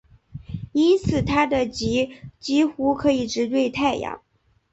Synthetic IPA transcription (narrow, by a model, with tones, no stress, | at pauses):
i˥nt͡sʰɹ̩˨˩t̪ʰa˥d̪ə˨t͡ɕi˧˥t͡ɕi˥xu˥kʰɤ˧˥i˨˩ʈ͡ʂɻ̩˧˥t̪we˥˧ɪt̪ʰa˥˩ɪjɑ̰˨˩˦